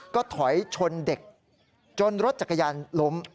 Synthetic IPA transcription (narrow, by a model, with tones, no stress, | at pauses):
kɔː˥˩t̪ʰɔ˩˦jt͡ɕʰo˧nde˨˩k̚ | t͡ɕo˧nɾo˦˥t̪̚t͡ɕa˨˩ka˧jaː˧nlo˦˥m